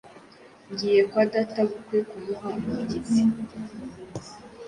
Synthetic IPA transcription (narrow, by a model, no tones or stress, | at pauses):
ɲɟijekwadataβukwekumuɦamai